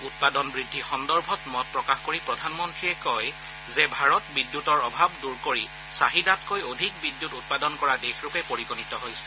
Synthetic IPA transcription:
ut̚padɔnbɹidʱːixɔndɔɹbʱɔtmɔt̚pɹɔkaxkoɹipɹɔdʱanmɔntɹiɛkɔj | zɛbʱaɹɔtbidːjutɔɹɔbʱabduɹkoɹi | saɦidatkojodʱikbidjutut̚padɔnkɔɹadexɹʊkɛpoɹiɡonitɔɦojsɛ̥

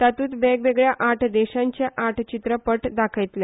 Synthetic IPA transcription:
t̪at̪uːt̪ʋeɡʋeɡɭjaʔaʈʰd̪eɕãɲt͡ɕeʔaʈʰt͡ɕit̪ɾəpəʈd̪akʰəjt̪le

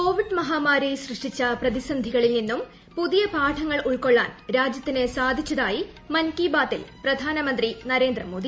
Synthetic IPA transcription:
ko̞ːʋiɖmɐɦaːmaːɾijsrɨʂʈit͡ɕːɐprɐðisɐnd̪ʱiɣɐɭilninːum | puðijɐpaːʈʰɐŋːɐɭuɭko̞ɭːa̰ːnɾaːd͡ʑjɐt̪ːinesaːd̪ʱit͡ɕːɐðaːji | mɐnkiːbaːt̪ːḭlprɐd̪ʱaːnɐmɐnd̪rinɐɾe̞ːnd̪rɐmo̞ːd̪i

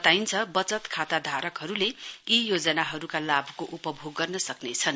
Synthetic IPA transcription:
t̪ajnt͡sʰʌbʌt͡sʌt̪kʰat̪ad̪ʱaɾʌkɦʌɾuleijod͡zʌnaɦʌɾukalabʱkoʔupʌbʱoɡːʌrnʌsʌknet͡sʰʌn

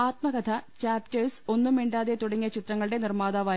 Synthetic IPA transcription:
aːt̪mɐɡɐt̪ʰɐt͡ɕaːptɐrso̞nːumiːɳɖaːðet̪uɽɐŋːijɐt͡ɕit̪rɐŋːɐɭɨɽe̞nirmaːðaːʋaː

